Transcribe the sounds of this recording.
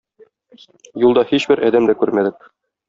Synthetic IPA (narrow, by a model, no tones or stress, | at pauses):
julˠd̪ɑhiɕbɘɾʔɒd̪æmd̪ækʉɾmæd̪ɘk̚